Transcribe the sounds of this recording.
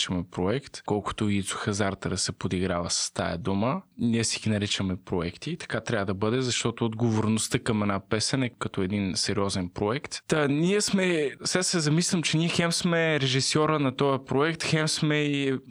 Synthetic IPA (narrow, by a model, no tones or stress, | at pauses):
t͡ʃəmɛpɾoɛkt̪kɔlˠkʊ̥t̪ʊit̪sʊ̥xɐzaɾt̪ɐd̪ɐsɛpod̪iɡɾavəsɐ̥st̪a̰jɐ̰d̪uməniɛsiɡʲinɐɾit͡ʃəmɛpɾoɛkt̪it̪ɐ̥kat̪ɾʲavəd̪ɐbɤd̪ɛzɐʃt̪ɔt̪ʊːd̪ɡovoɾnʊst̪əkɐmɛdnapɛsɛnɛkɐt̪ɔɛd̪insɛɾiɔzɛnpɾoɛkt̪t̪aniɛsmɛsasɛzɐmislʲɐmt͡ʃɛniɛxɛmsmɛɾɛʒisjɔɾənɐt̪ɔjɐpɾoɛkt̪xɛmsmɛi